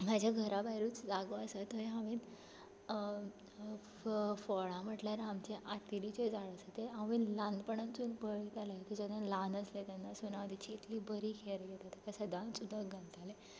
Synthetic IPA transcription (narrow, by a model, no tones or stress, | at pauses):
m̤ad͡ʑʱjaɡʱəɾabaɦiɾuːt͡sd͡zaɡoəsat̪əeɦãʋĩn | fɔɭãm̤əʈljaɾamt͡ɕeʔat̪iɾit͡ɕed͡zaɭəsət̪eãʋinlãnd̪pəɳə̃nt͡sunbəɭit̪alat̪ed͡ʑanãlanəslet̪anːasonaʋəd̪ʱit͡ɕiːt̪ʰlibəɾiːkʰeɾɡet̪at̪akasəd̪ʱãnsud̪ʱːaɡʱãnd͡zale